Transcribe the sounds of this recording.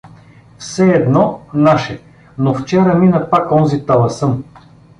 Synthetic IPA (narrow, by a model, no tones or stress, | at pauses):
fsɛːd̪nɔnaʃɛ | noft͡ʃɛɾəminɐpakɔnzit̪alˠɐsɤm